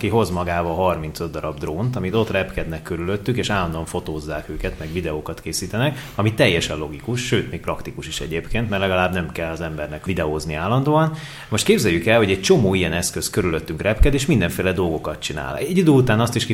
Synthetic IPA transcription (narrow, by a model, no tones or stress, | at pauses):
kiɦo̞zmɒɡaːbɒɦɒrmint̪sød̪ːɒɾɒbd̪roːnt̪ɒmit̪o̞t̪rɛpkɛd̪nɛkːøɾyløt̪ːykeːʃaːlːɒnd̪oːɒɱfo̞t̪oːzːaːkøːkɛt̪mɛɡʋvid̪ɛoːkɒt̪keːsiːt̪ɛnɛkɒmit̪ːɛjːɛʃɛnlo̞ɡikuʃʃøːt̪meːk̚prɒkt̪ikuʃiʃɛ̰ɟeːpkʰeːnt̪mɛrlɛɡɒlaːbnɛmkɛlːɒzɛmbɛrnɛkvid̪ɛoːzniaːlːɒnd̪oːɒn | mo̞ʃt̪̚keːbzɛjːykɛlhoɟɛc̚t͡ʃo̞moːijɛnɛskøskøɾyløt̪ːyŋkrɛpkɛd̪eːʃmind̪ɛɱfeːlɛd̪o̞lɡo̞kɒt̪̚t͡ʃina̰ːlɛɟːid̪øːut̪aːnɒst̪iʃki